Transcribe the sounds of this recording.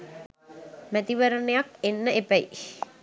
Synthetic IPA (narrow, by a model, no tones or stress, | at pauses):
mæt̪iʋəɾənejakenːəepæji